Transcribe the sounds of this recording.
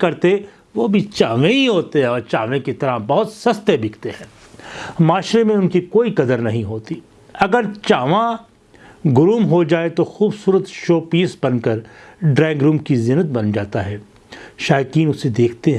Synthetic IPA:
kɐɾt̪e | ʋoːbʱit͡ʃaːʋẽiɦoːt̪eɦɛ̃ɔːɾt͡ʃaːʋẽkit̪ɐɾabɐɦʊt̪sɐst̪ebɪkʰt̪eɦɛ̃ː | maːʃɾemẽʊnkikoːikɐd̪əɾnɐɦĩɦoːt̪i | ɐɡəɾt͡ʃaːʋã | ɡʊɾuːmɦod͡ʒaːet̪oxuːbsuːɾət̪ʃoːpiːsbɐnkəɾɖɾɛ̃ːɪŋɡɾũːmkizɪnət̪̚bɐnd͡ʒaːt̪aɦɛː | ʃaːjkiːnʊsed̪eːkʰt̪eɦɛ̃

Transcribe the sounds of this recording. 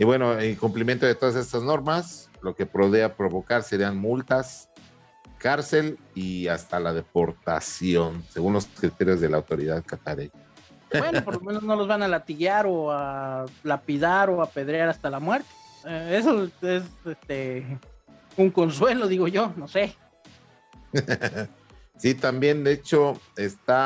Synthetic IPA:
iβwe̞no̞elkumplimjent̪o̞ðe̞t̪o̞ðase̞st̪azno̞ɾmaslo̞ke̞pɾo̞ðeapɾo̞βo̞kaɾse̞ɾianmult̪as | kaɾse̞l | iast̪alaðe̞po̞ɾt̪a̰sjo̞nse̞ɣunlo̞skɾit̪e̞ɾjo̞zðe̞laːwt̪o̞ɾiðaðkat̪aɾeɲa | bwe̞nopo̞ɾlome̞no̞zno̞lo̞zβanalat̪iɣaɾo̞alapiðaɾoape̞ðɾjaɾast̪alamwe̞ɾt̪e̥eesoesest̪e | uŋko̞nswe̞lo̞ðiɣo̞ʝo̞no̞se̞ | sit̪ambje̞nd̪eet͡ʃo̞est̪a

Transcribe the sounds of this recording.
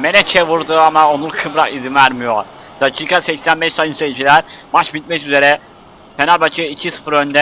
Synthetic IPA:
melɛt͡ʃʰɛvuɾd̪uamaonuɾkʰɯbɾakid̪imæɾmijod̪̥acʰiːkʰasɛcsænbɛʃsajɯnsejit͡ʃʰilʲæɾmat͡ʃbit̪̚mɛʃyze̞ɾɛ | fenalʲbat͡ʃʰɯjɯicʰisɯ̥fɯɾønd̪ɛ

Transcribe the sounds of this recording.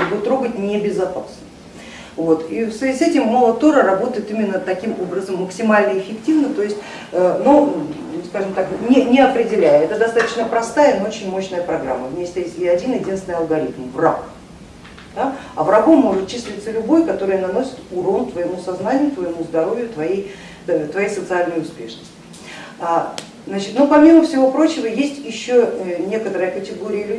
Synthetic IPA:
bɨt̪ːɾo̞ɡət̚ʲnʲebʲɪzɐpasnə | vo̞t̪ifsvʲɪzʲɪsɛtʲɪmːolˠət̪o̞ɾərɐbo̞t̪əjɪt̪imʲɪnːət̪ɐkʲimo̞bɾəzəmːəksʲɪmalʲnəɪfʲɪktʲivnət̪o̞jɪsʲtʲ | əno | skaʐɨmt̪aknʲɪnʲɪɐpɾʲɪdʲɪlʲæjəɛt̪əd̪ɐst̪at̪ə̥t͡ɕnəpɾɐst̪ajənoot͡ɕɪnʲmo̞ɕnəjəpɾɐɡɾamːəvʲmʲesʲt̪ʲəesʲɪɐdʲinjɪdʲinsʲɪnɪɐlˠɡɐɾʲit̪mvrak | d̪̥aɐ̰vrɐɡomːo̞ʐɨt̪̚t͡ɕisʲlʲɪt̪səlʲʊbo̞jʲkɐt̪o̞ɾɨjənɐno̞sʲɪ̥t̪uɾolt̪vəjɪmusɐznanʲɪjʊt̪vəjɪmuzd̪ɐɾo̞vʲjʊt̪vɐjej | t̪vɐjejsət̪sɨalʲnəjʊspʲe̞ʂnəsʲtʲɪ | a | znat͡ɕɪ̥t̪nopɐmʲiməfsʲɪvo̞pɾo̞t͡ɕɪvəjesʲtʲjɪɕːonʲe̞kət̪əɾəjəkətʲɪɡo̞ɾʲɪjəlʲʉ

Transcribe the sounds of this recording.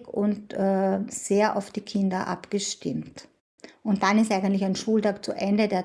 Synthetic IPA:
kʊntɛseːɐʔa̰ʊfd̥iːkʰɪndɐʔa̰pɡ̥əʃtɪmt | ʊnt̚d̥anɪstʔaɪɡəntlɪçæɪnʃuːltaːkt͡suʔɛndədeːɐ

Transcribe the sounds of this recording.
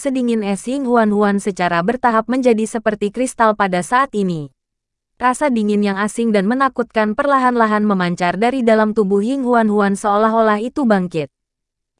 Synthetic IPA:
sədiŋɪnɛshiŋɦuanɦuansət͡ʃaɾabərt̪aɦap̚məɲd͡ʒadisəpərt̪ikɾist̪alpadasaʔːt̪ini | rasadiŋɪnjaŋasɪŋdanmənakut̪̚kanpərlaɦanlaɦanməmaɲt͡ʃardaɾidalamt̪ubuhiŋɦuanɦuansəolaɦolaɦit̪ubaŋkɪt̪̚

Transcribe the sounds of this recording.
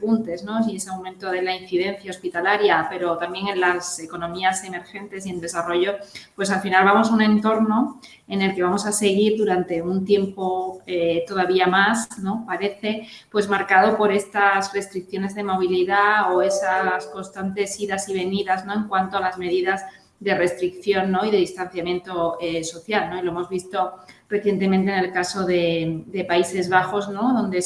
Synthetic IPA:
punt̪e̞zno̞siesawmẽnt̪o̞ð̞e̞lain̟θiðe̞n̟θjao̞spit̪alaɾjape̞ɾo̞t̪ambje̞ŋe̞nlase̞ko̞nõ̞miase̞me̞ɾxe̞nt̪e̞sie̞nd̪e̞saro̞ʝo̞pwe̞salfinalβamo̞saunẽ̞nt̪o̞ɾno̞ | e̞ne̞lke̞β̞amo̞sase̞ɣ̞iɾðuɾant̪e̞unt̪je̞mpo̞et̪o̞ð̞aβiamasno̞paɾe̞θe̞pwe̞zmaɾkað̞o̞po̞ɾe̞st̪asre̞st̪ɾik̚θjo̞ne̞zðe̞mo̞β̞iliðaoe̞sasko̞nst̪ant̪e̞siɾasiβ̞e̞niðazno̞eŋkwant̪oalazme̞ðiðaz | ðe̞re̞st̪ɾikθjo̞nːo̞iðe̞ðist̪anθjamjẽ̞nt̪o̞eso̞θjalno̞ilo̞emo̞zβist̪o̞re̞θje̞nt̪e̞mẽnt̪ene̞lkaso̞ðe̞d̪e̞paise̞zβaxo̞zno̞ðo̞nd̪e

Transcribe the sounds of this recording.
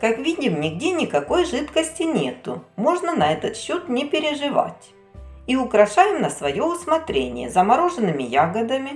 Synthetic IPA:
kɐkvʲidʲɪmnʲɪɡdʲenʲɪkɐko̞jʐɨt̪kəsʲtʲɪnʲe̞̰t̪ʊmo̞ʐnənɐɛt̪ət̪ɕːot̪nʲɪpʲɪɾʲɪʐɨva̰tʲ | iʊkɾɐʂajɪmnəsvɐjo̞ʊsmɐt̪ɾʲenʲɪ̰jə̰zɐmɐɾo̞ʐɨnːɨmʲɪjaɡəd̪ɐmʲɪ

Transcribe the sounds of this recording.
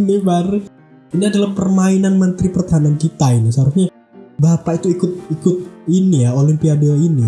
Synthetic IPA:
nibaɾu | iniadalampərmainanmənt̪ɾipərt̪aɦanankit̪ainisəɦaɾʊsɲa | bapait̪uikʊt̪̚ikʊt̪̚inijaolimpiadeoini

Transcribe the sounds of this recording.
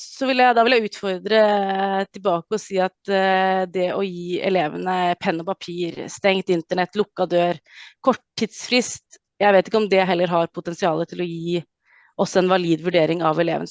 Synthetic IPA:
sɔʋɪljæɪd̪ɑʋɪljæɪʉːt̪fɔɾd̪ɾət̪ʰɪlbɑːkəɔsiːɑt̪d̪ɛʔɔjiːɛ̰leːʋənəpʰɛnːɔpɑpʰiːɾst̪ɛŋt̪ɪnt̪əɳɛt̪ːlʊkːɑd̪øːɾkʰɔʈʰːid̪sfɾɪst̪ | jæɪʋeːt̪ɪkːəɔmd̪ɛɦɛlːəɾɦɑɾpʰʊt̪ɛnsɪɑːlət̪ʰɪlɔjiː | ʔɔsːɔɛnʋɑliːd̪ʋʉɖeːɾɪŋɑʋɛlḛːʋənə

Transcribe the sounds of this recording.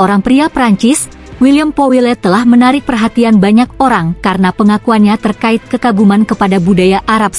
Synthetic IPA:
oɾaŋpɾiapɾaɲt͡ʃɪs | wiliampowilɛt̪əlahmənaɾɪk̚pərɦat̪ianbaɲak̚oɾaŋkaɾənapəŋakuanɲat̪ərkaɪt̪̚kəkaɡumankəpadabudajaʔaɾap̚

